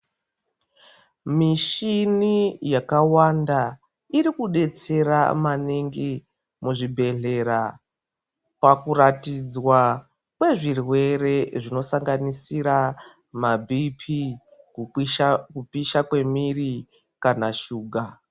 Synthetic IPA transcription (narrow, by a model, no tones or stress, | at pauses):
miʃinijakawanda | iɾikuɗe̞t͡se̞ɾa̰maniŋɡi | muʐibʱe̞ɮe̞ɾa | pakuratid͡zwa | kwe̞ʐirwe̞re̞ʐino̞saŋɡanisiɾa | mabʱipʰi | kupiʃakwe̞miri | kanaʃuːɡʱa